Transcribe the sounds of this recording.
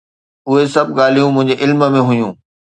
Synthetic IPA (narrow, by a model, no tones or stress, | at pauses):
ʊɦesɐbʱɡaːl̤ijũmʊ̃ɦɪ̃ɲd͡ʑeʔɪlmə̆mẽɦʊjũː